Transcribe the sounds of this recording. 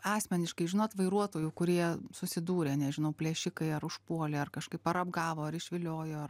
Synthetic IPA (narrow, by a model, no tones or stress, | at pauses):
ɑːsʲmʲɛnʲɪʃkɐɪʒʲɪnoːt̪ʋɐɪɾuɔt̪oːjuːkʊɾʲiɛsʊsʲɪd̪uːɾʲeːnʲɛʒʲɪnɐʊpʲlʲeːʃʲɪkɐɪɐɾʊʃpuɔlʲeːɐrkɐʃkɐɪpɐɾɐbɡɑːʋoːɐɾɪʃʲʋʲɪlʲoːjoːɐr